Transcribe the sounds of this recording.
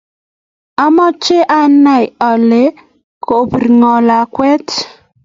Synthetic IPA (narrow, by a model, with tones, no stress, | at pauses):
a˦mɔ˦t͡ʃe˦ʔa˦na˨jɔ˨le˨˦ | ko˨brŋɔ˨la˨kwɛ˦t